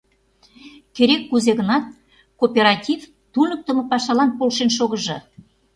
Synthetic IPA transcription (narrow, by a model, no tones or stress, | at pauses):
keɾekːuzeɣənɑt̪̚ | kopʲeɾɑtʲiv | t̪unək̚t̪ə̆mɤ̆pɑʃɑlɑnpolʃenʃ̬oɣəʒɤ